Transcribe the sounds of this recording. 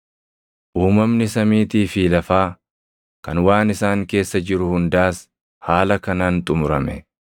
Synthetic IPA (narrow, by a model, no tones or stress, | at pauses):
ʔuːmɐmnɪsɐmiːt̪iːfiːlɐfaː | kɐnwaːnɪsaːŋke̞ːsːɐd͡ʒɪɾʊhʊnd̪aːs | haːlɐkɐnaːnt̪ʼʊmʊɾɐmɛ